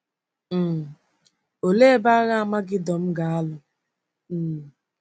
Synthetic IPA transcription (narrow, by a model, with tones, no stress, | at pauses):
m̩˨ | o˨le˦e˦ba˦ɣa˦a˨ma˦ɡɪ˦dɔ˨m̩˦ɡa˨a˦lʊ˨ | m̩˨